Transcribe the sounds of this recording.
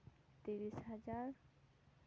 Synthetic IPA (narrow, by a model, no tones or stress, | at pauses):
t̪iɾisɦad͡ʑaɾ